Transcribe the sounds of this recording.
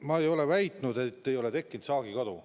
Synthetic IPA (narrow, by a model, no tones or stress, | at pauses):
mɑejo̞le̞væjt̪nud̪et̪ːe̞jo̞le̞t̪e̞kːˑint̪sɑːɡikɑd̪u